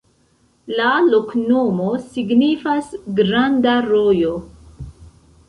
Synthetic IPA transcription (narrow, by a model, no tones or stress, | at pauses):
lalo̞knomo̞siɡnifasɡɾandaɾojo